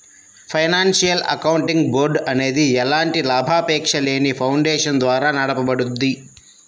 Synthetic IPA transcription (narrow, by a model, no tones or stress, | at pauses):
pʰɐjnaːnsijɐlɐ̰kɐwuɳʈiŋɡboːɾɖɐne̞ːd̪iɛlaːɳʈilaːbʱaːpɛːkʂɐle̞ːnipʰɐwɳɖɛːʂɐnd̪ʋaːɾaːnɐɽɐpɐbɐɽud̪ːi